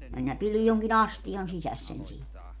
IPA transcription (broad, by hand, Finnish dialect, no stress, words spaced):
minæ pilij joŋkin ɑstijɑn sisæs sen siːn